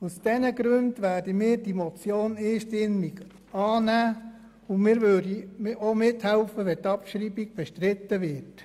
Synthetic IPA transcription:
usd̥ɛnəɡɾøndʋæːrdimɪːɾd̥imɔt͡sjoːnɪːʃtɪmiɡ | ɑːnæː | ʊnmɪːɾvødiomɪthɛlfəʋɛtɑpʃɾiːbiɡ̚b̥ɛʃtɾɪtːəvɪt

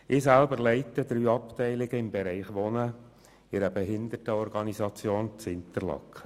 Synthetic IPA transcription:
ɪːsælbəɾlɛɪtəd̪ɾyːɑptɛɪlɪɡəɪmbeɾɛɪχʋɔnə | ɪɾəbeɦɪnd̪ətəɔɾɡɑnizɑt͡sjoːnt͡sɪnt̪əɾlɑ̰k

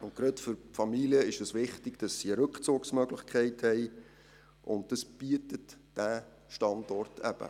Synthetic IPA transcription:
ʊntɡ̥ɾœtfʏɾfɑmiliəɪʃdɑsʋɪχtɪɡ̥d̥ɑsːiəɾɵkχt͡suːksmœɡlɪχkʰχɛɪthɛɪ | ʔʊ̰nt̚d̥ɑsb̥iətətd̥æː | ʃtɑndɔrtʰæ̰b̥ə̰

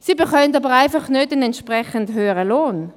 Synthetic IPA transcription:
siːbeχɔməndɑbəʁaɪfɑχnødɪnɛntʃpʁɛχəndhøːəʁəloːn

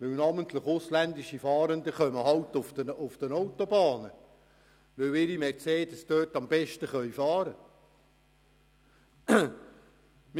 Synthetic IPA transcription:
ʋɪwnɑːmənt̪ləχʊslænd̪iʃifɑːɾənd̪əχœməɦɑwt̪ʊftəʊfd̥̪ənowt̪obɑːnə | ʋɵwɪɾimɛɾt͡seːd̥̪əsd̥̪øːtɑmb̥ɛʃtəχœɥfɑːɾə | m

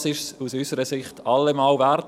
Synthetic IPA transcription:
sɪʃsusysəɾəsɪχtʰɑlːemɑːlvært

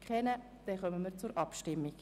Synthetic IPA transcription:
kχɛnə | d̪̥ɛχœməmiːɾt͡sʊɾʔɑpʃtɪmːik

